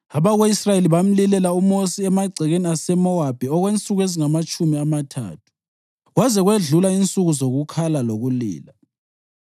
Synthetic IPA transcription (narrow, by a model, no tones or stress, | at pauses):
aβaɣweisrajeliβam̩lilɛlaumosiɛmaɡ͡ǀʱɛɣeniasɛmɔwab̥ʱiɔɣwent͡sʼuɣeziŋamat͡ʃʼumiamatʰa̰ːtʰu̥ | ɣwazɛɣweɮulaint͡sʼuɣuzoɣukʰalaloɣulḭːla